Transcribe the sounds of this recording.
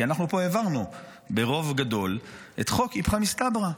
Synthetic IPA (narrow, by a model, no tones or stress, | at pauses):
ianaχnupo̞evaʁnu | be̞ʁo̞vɡad̪o̞l | ʔet̪χo̞kipχamist̪abʁa